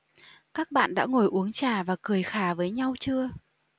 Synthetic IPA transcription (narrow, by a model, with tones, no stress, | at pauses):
kaː˦˥k̚ɓa̰ː˧˨nɗa̰ː˧˥ŋo˨˩jʔu˨˦əŋt͡ɕaː˨˩vaː˨˩kɨ˨˩əjxaː˧˩vəː˨˦jɲa˧wt͡ɕɨ˧ə